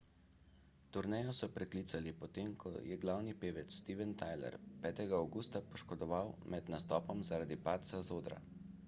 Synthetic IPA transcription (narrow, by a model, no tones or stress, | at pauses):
t̪uɾnɛjɔsɔpɾɛkliːt̪salipɔt̪emkʰɔ̰jɛɡlawnipeːʋɛt̪sːt̪iːʋɛnt̪ajlɛ̰ɾpɛːt̪ɛɡaawɡuːst̪apɔʃkɔd̪ɔʋawmɛd̪nast̪ɔːpɔmzaɾad̪ipaːt̪sazoːd̪ɾa̰